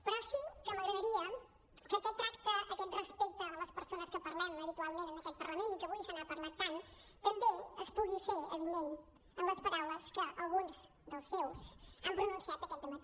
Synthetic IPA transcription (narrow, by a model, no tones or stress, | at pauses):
pəɾɔsikəməɣɾəðəɾiə | kəkɛt̪ːɾakt̪əʔəkɛt̪rəspek̚t̪ələspəɾsonəskəpəɾlɛməβit̪ualˠmẽnənəkɛt̪̚pəɾləmenikəβulˠisənapəɾlat̪an | t̪əmbeəspuɣifeɾəβiðen | əmləspəɾawləskəʔəlˠɣunz | ðəlˠsɛwsəmpɾununsiat̪əkɛnəmə